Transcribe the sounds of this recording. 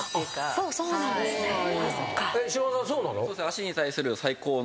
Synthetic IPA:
kasoːsoːnãne | aeɕimasãsoːna̰no̰osaɕiɲ̟it̪aisɨɾɯsaiko̞ːn

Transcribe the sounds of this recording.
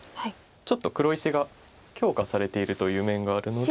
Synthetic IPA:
ha | t͡ɕo̞t̪ːo̞kɯ̟ɾo̞iɕiɡa | kʲo̞ːkasaɾe̞t̪e̞iɾɯ̟t̪o̞jɯ̟ːmẽ̞ŋɡaːɾɯ̟no̞

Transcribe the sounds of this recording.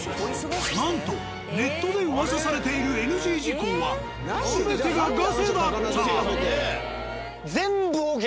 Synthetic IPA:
nãnt̪o̞ | ne̞t̪ːo̞d̪e̞oβasasaɾe̞t̪e̞iɾɯ̟e̞nɯ̟ʑiːʑikoβa | sɨd̪e̞t̪e̞ɡaɡased̪aa | zẽ̞ŋboɡ

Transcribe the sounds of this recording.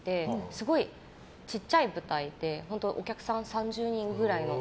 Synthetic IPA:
t̪e̞sɨɡo̞i | t͡ɕit͡ɕt͡ɕːaibɯ̟t̪aid̪e̞hõ̞nt̪oʔo̞kʲakɯ̟̥sãsãɲ̟d͡ʑɨːɲ̟ĩŋɡɯ̟ɾaino̞

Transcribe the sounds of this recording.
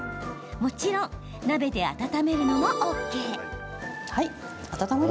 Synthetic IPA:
mo̞t͡ɕiɾõŋ | nabe̞t̪e̞a̰t̪at̪ame̞ɾɯ̟no̞mo̞ʔoːkːe̞ː | hai | at̪at̪ame

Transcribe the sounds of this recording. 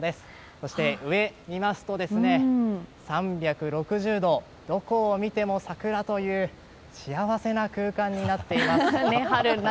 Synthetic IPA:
d̪e̞sɨ̥ | so̞ɕi̥t̪e̞ɯ̟e̞mʲimasɨ̥t̪o̞d̪e̞sɨne̞sãmbʲakɯ̟ɾo̞kɯ̟ʑɨːd̪o̞ | d̪̥o̞ko̞ːmʲit̪e̞mo̞sakɯ̟ɾat̪o̞jɯ̟ː | ɕijaβase̞nakɯ̟ːkãɲ̟ːinat̪ːe̞imasaɾɯ

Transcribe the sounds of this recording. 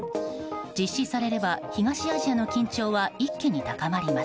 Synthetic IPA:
d͡ʑiɕːisaɾe̞ɾe̞baçiɡaɕiaʑiano̞kʲĩɲt͡ɕo̞ːβaikːẽ̞ɲ̟it̪akamaɾʲimas

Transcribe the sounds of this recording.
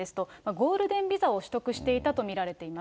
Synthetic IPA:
e̞sɨ̥t̪o̞maɡo̞ːɾɯ̟d̪ẽ̞mbʲizao̞ɕɨ̥t̪o̞kɯ̟ɕi̥t̪e̞it̪at̪o̞mʲiɾaɾe̞t̪e̞ima

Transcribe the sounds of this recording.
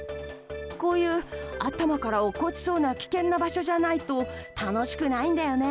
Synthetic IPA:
ko̞ːjɯ̟ːat̪amakaɾaokːo̞t͡sɨ̥so̞ːnakʲi̥kẽ̞nːabaɕo̞ʑanait̪o̞t̪ʰano̞ɕi̥kɯ̟naĩnd̪ajo̞ne̞

